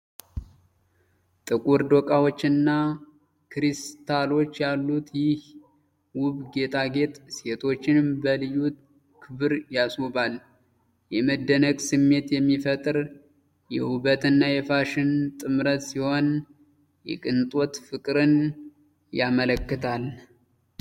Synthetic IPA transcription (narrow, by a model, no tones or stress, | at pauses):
t̪ʼɨkʼuɾd̪o̞kʼawot͡ʃːɨnːa | kɾist̪ʰalo̞t͡ʃːjalːut̪jɪh | wʊβɡe̞t̪ʼʰaɡe̞t̪ʼse̞t̪ʰo̞t͡ʃːɪnmbəlɨjut̪ | kʰɨβɨɾjasubal | jɛməd̪ːənəɡsɨmːe̞t̪jɛmːifət̪ʼɨɾ | jɛhubət̪ʰʼɨnːajɛfaʃɪnt̪ʼɨmɾət̪siho̞n | jɛ̰kʼɨnt̪ʼot̪fɨkʼɾɨn | jamələkːɨt̪ʰal